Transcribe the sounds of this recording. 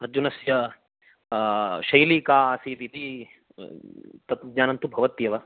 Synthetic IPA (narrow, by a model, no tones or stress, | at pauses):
ɐɾd͡ʒunɐsjɐ | ʃɐjliːkaːsiːt̪it̪i | t̪ɐt̪udɲaːnɐnt̪ubʱɐʋɐt̪jɐʋɐ